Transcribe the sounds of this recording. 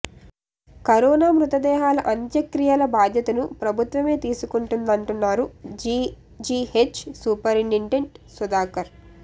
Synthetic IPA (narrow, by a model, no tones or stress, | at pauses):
kɐɾɔːnaːmɾut̪ɐd̪ɛːɦaːlɐʔɐnt̪jɐkɾijɐlɐbaːd̪ʱjɐt̪ɐnupɾɐbʱut̪ʋɐme̞ːt̪iːsukuɳʈund̪ɐɳʈunːaːɾui | d͡ʒiːhet͡ʃsuːpɐɾinːiɳʈeɳʈsud̪aːkɐɾ